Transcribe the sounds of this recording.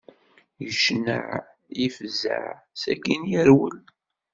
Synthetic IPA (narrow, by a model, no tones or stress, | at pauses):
jəʃnə̰ʕ | jifzə̰ʕ | sæ̰kinjəɾwəl